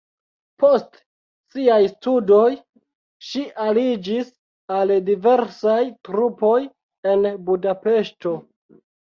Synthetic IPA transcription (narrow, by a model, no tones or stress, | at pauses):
po̞st | siajstudo̞j | ʃiʔalid͡ʒis | aldive̞ɾsajtɾupo̞j | e̞nbudape̞ʃto̞